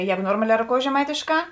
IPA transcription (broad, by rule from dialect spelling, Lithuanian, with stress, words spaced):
ˈjæːɡʊ ˈnoːrmɐlʲɛ roːˈkoːʊjeːs ʒʲɛ mɐɪtʲeːʃˌkɑː